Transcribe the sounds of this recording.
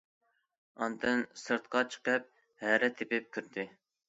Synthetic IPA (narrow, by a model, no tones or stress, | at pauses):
ɑnd̪ɨnsɨɾt̪̚qɑt͡ʃʰə̥qəp̚ | hæɾɛt̪ʰːepɪp̚kʲʰyɾd̪ɪ